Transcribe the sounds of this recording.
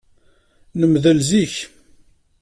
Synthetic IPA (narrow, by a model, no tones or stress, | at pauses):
nəmðəlziç